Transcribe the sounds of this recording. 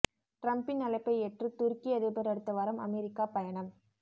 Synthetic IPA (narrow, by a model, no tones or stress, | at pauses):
ʈɾɐmpɪnːɐlɐɪpːɐɪɛʈrɯt̪ʊɾkɪjɐðɐbɐɾɐɽɯt̪ːɐʋaːɾɐmɐ̰mɛɾɪkːaːpɐjɐɳɐm